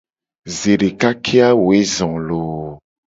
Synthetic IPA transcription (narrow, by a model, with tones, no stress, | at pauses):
ze˨ɖe˨ka˦kʰe˦a˦wo˨e˦zɔ̃˨lo˨